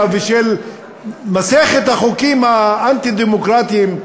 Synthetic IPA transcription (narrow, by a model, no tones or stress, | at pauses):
veʃel | maseχet̪haχokimhaant̪id̪emokʁat̪iːm